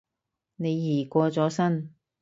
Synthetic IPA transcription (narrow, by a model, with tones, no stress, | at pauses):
ne˨˧jːiː˨˩kʷɔː˧t͡sɔː˨˥sɐ˥n